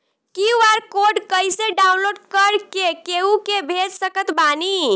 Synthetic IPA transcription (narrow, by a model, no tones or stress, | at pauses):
kiuaɾkoɾɖkəjseɖaunloɖkəɾkekeukebʱed͡ʒsəkət̪bani